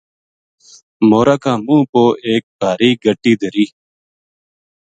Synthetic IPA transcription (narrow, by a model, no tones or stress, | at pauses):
moːɾaːkãːmũːpoːʔeːk̚bʱaːɾiːɡəʈiːd̪ʱəɾiː